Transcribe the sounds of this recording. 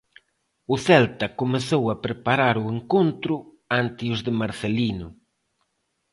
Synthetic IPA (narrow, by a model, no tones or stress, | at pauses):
ʊθɛlt̪ɐkomeθowɐpɾepaɾaɾʊeŋkont̪ɾʊ | ant̪ɪʊzðɪmaɾθelinʊ